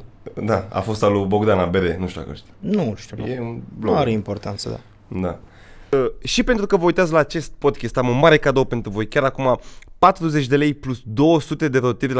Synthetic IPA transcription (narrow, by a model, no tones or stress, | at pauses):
d̪aa̰fo̞st̪alubo̞ɡd̪anabeɾenuʃt̪ʲua̰kə̰ʃt̪ʲanuʃt̪ujeunbloaɾeimpo̞rt̪ant̪sə̰d̪a̰ | d̪a | əʃipe̞nt̪ɾukəvəujt̪eat̪̬laːt͡ʃe̞st̪̚po̞d̪kʲest̪amunmaɾe̞kad̪ope̞nt̪ɾuvo̞jkʲaɾakumapat̪ɾuze̞t͡ʃʲd̪e̞le̞jplusd̪o̞wəsut̪e̞d̪e̞ɾot̪ivʲ